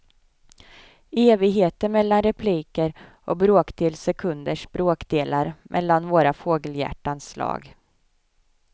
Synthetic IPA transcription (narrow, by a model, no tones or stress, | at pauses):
eːvɪɡɦeːt̪əɾmɛlːanɾɛpʰliːkəɾʔɔbɾoːkd̪eːlsɛkʰɵnd̪əʂb̥ɾoːkd̪eːlaɾmʔɛ̰lːanvoːɾafoːɡəljæ̰ʈːanslɑ̰ːɡ